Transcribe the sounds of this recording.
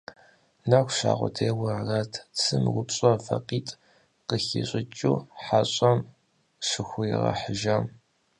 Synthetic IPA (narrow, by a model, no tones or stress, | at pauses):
nɐxʷɕa̰ːʁʷɔ̰tʰeːwɐrratʰt͡sʰɨmwʊpɕʼɐfɐqiːtʼ | qəxiɕʼɪt͡ʃʼuːħaɕʼɐm | ʂɨxʷʊjɪʁɐ̰ħəʒɐm